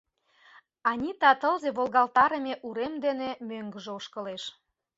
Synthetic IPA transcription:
ɑnʲit̪ɑt̪ɤlzeβolɣɑlt̪ɑɾəmʲeʔuɾemd̪enemøŋɡə̆ʒeuʃkə̆leʃ

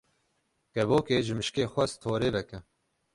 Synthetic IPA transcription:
ɡ̥ɛboːkeːʒɨmɨʃkeːxʷɛst̪ʰoːɾeːbɛkɛ

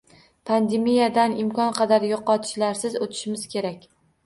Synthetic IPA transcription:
pʰand̪emijad̪anɪmkʰɒnqʰɑd̪aɾjoqɒt̪ʰɪ̥ʃlaɾsɪzot̪ʰɪ̥ʃɪmɪz̥kʲʰe̞ɾakʲ

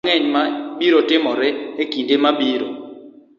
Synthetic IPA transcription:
ŋɛɲmaɓiɾotɪmɔɾɪekindemaɓiɾo̰

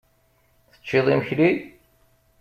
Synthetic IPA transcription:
θə̥t͡ʃːɪðˤiməçli

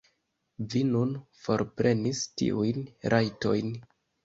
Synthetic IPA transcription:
vinunfo̞ɾpɾe̞nistḭʔujnɾʔajto̞̰jn

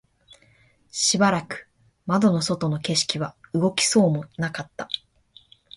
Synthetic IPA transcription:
ɕibaɾakɯ̟̥ | mad̪o̞no̞so̞t̪o̞no̞ke̞ɕi̥kʲiβaɯ̟ɡo̞kʲi̥so̞ːmo̞nakat̪ːa

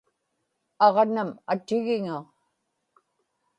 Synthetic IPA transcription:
ɑʁnamat̪ɪɣɪŋa

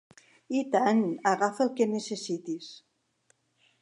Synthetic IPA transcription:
it̪anaɣafəlkenesesit̪is

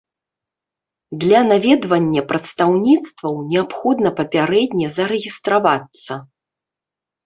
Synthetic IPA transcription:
d̪lʲanavʲɛd̪vɐnʲːɐpɾɐt̪st̪awnʲit̪st̪vɐwnʲɛapxɔd̪nɐpɐpʲaɾɛd̪ʲnʲɛzɐɾɛɣʲist̪ɾavat̪sːɐ

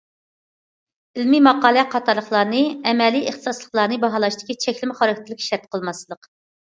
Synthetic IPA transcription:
ɪlmimɑqɑːlˠɛqʰɑt̪ʰɑɾlˠəχlˠɑːnɨɛmɛliʔəχt̪ɨ̥sɑslˠəχlˠɑːnɨbɑɦɑlˠɑʃt̪ɪ̥kʲit͡ʃʰɛkʲlɪmɪχɑɾkʰʲt̪ʰɪlɪkʲʃɛɾt̪̚qʰəlˠmɑslˠəq

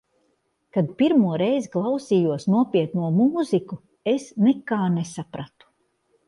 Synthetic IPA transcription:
kad̪̚piɾmuɔɾɛjziklˠawsiːjuɔsnuɔpiɛt̪nuɔmuːziku | esnɛkaːnesapɾat̪u̥

